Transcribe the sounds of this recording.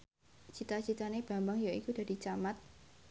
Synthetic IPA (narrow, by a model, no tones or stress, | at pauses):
t͡ʃit̪at͡ʃit̪aneb̥a̤mbaŋjaikud̥a̤d̥i̤t͡ʃamat̪̚